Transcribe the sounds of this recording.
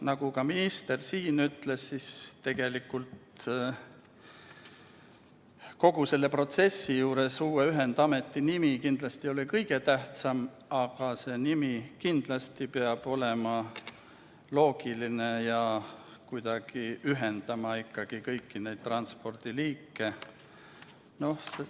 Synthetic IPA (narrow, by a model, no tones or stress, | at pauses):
nɑɡ̥ukɑminist̪e̞rsiːnyt̪le̞ssist̪e̞ɡ̥e̞likːˑult̪ | ko̞ɡ̥use̞lːe̞pro̞t̪se̞sːijuːɾe̞suːweyɦe̞nd̪̥ɑme̞t̪ˑːinimikind̪̥lɑst̪io̞likɤjɡ̥e̞t̪æht̪sɑm | ɑɡ̥ɑse̞ːnimikind̪̥lɑst̪ipeɑb̥o̞le̞mɑ | lo̞ːɡ̥ilinejɑkujd̪̥ɑɡ̥iyɦe̞nd̪ɑmɑikːɑɡ̥ikɤjkːine̞jd̪̚t̪ːrɑnspo̞rd̪̥iliːkːe̞ | no̞hse